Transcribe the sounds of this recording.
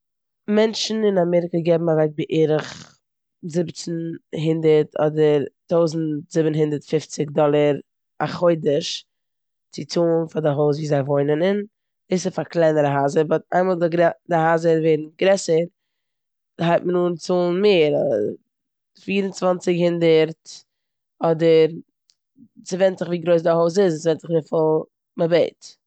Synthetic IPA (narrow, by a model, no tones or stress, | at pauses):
mɛnt͡ʃn̩ɪnamɛɾɪkəɡɛbm̩avɛk̚bɪʔeːɾəχ | zɪbt͡sn̩ɦɪndəɾtʰɔ̰dəɾtoʊzn̩tz̥ɪbn̩ɦɪndəɾtfɪft͡sɪkdɔlˠəɾ | aχoɪdəʃ | t͡sɪt͡suːnfadɪɦoʊs̬viːzaɪvoɪnənɪn | ɪsɪfaklˠaɪnəɾəɦaːzəɾbɔta̰ɪmalˠdɪɡɾɛdɪhaːzəɾveɪdn̩ɡɾɛsəɾ | haɪtmənuːnt͡suːnmeːɾ | fiːɾənt͡svant͡sɪkhɪndəɾt | ɔdəɾ | t͡sɪvɛntzɪχviːɡɾoɪs̬dɪhoʊs̬ɪssvɛntɪχvɪfɪlˠ | mɪbeɪt